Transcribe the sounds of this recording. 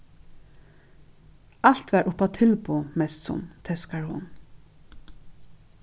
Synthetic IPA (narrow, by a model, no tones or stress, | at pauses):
al̥t̪ʋæːɹʔʊpat̪ʰɪlpumɛst̪sʊ̰mt̪ʰɛskaɹhʊ̰n